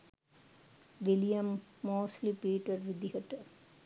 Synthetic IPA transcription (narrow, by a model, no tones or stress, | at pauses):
ʋilijɐmːoːslipiːʈɐɾʋid̪iɦɐʈːɐ